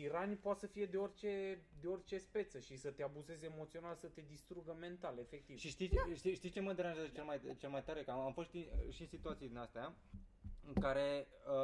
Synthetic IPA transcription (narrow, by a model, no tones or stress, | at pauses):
iɾanʲpoat̪səfije̞d̪e̞o̞rʲt͡ʃe̞d̪e̞o̞rʲt͡ʃe̞spe̞t̪səʃisət̪e̞abuze̞zemo̞t̪sio̞nalsət̪e̞d̪ist̪ɾuɡəme̞nt̪ale̞fe̞k̚t̪ivʃiʃt̪iʃt̪iʃt̪ist͡ʃe̞məd̪eɾanʒazət͡ʃe̞lemajt͡ʃelmajt̪aɾekaamfo̞st̪iʃinsit̪uat̪sijd̪inast̪ea | ɨŋkaɾe̞ | ə